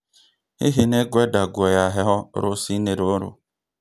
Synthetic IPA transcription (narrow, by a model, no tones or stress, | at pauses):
ḭɦeneɡʷedaɡʷejaɦɪɦɔɾʊsineɾoɾʊ̰